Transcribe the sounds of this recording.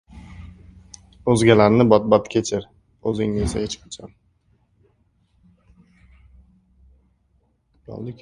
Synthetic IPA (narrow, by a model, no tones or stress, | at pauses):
ɵzɡʲalaɾnɪbɒt̪̚bat̪kʲʰet͡ʃʰɪɾ | ɵzɪŋnɪesaet͡ʃpʰʊ̥t͡ʃʰam | jɒ̰lˠd̪ɪkʲʰ